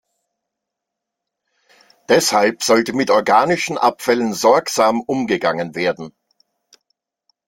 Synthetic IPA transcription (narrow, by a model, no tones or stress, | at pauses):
d̥ɛshalpz̥ɔltəmɪtɔɐɡaːnɪʃn̩ʔapfɛlənzɔɐkz̥aːmʔʊmɡəɡaŋənveːɐdn̩